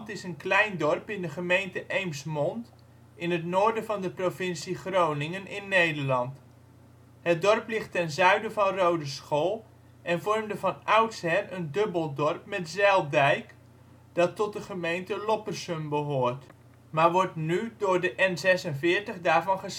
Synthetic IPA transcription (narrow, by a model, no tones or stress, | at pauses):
tɪsənklɛjndɔrpɪndəχəmejntəʔejmsmɔnt | ɪnətnoːɹdəvɑndəprofɪnsiχrownɪŋənɪnːejdəɹlɑnt | hət̚dɔrplɪχtɛnzœɥdəvɑnrowdəsχoːlˠ | ʔɛnvɔrmdəvɑnœwtshɛrəndɵbəlˠdɔrpmɛtzɛlˠdɛjk | d̥ɑtːɔt̚dəχəmejntəlɔpərsəmbəɦʊːrt | maːrʋɔɹtnydʊːɹdəʔɛnzɛsənvɪːɹtəχdaːɹvɑnχəs